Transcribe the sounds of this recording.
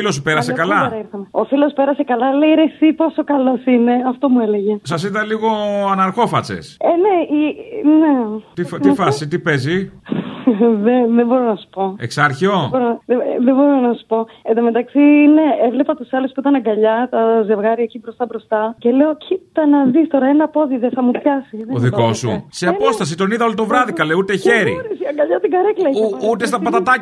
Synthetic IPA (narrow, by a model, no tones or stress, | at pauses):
ilospeɾɐsekɐlɐɐɐiɾθumeo̞filo̞spe̞ɾɐse̞kɐlɐleiɾe̞sipo̞so̞kɐlo̞sine̞ɐft̪o̞mue̞le̞ʝe̞sɐs̬it̪ɐliɣo̞ɐnɐɾxo̞fɐt͡sḛsene̞inet̪ififɐsit̪ipezi | ðeðebo̞ɾonɐsu̥po̞ḛksɐɾçoboɾoðeðebo̞ɾo̞nɐsu̥po̞ed̪omet̪ɐksine̞evle̞pɐt̪usɐluspuit̪ɐnɐɡɐʎɐt̪ɐze̞vɣɐɾiɐecibɾo̞st̪ɐbɾo̞st̪ɐce̞le̞o̞cit̪ɐnɐðist̪o̞ɾɐenɐpo̞ðiðeθɐmupçɐsiðeoðiko̞suseɐpo̞st̪ɐs̬it̪o̞niðɐo̞lit̪o̞vɾɐðikɐleut̪eçeɾḭɾisiɐɡɐʎɐt̪iɡɐɾeklɐɐut̪es̬t̪ɐpɐt̪ɐt̪ɐ